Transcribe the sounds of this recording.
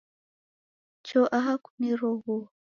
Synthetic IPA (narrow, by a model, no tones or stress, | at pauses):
t͡ʃɔʔaɦaku̥niɾɔɣu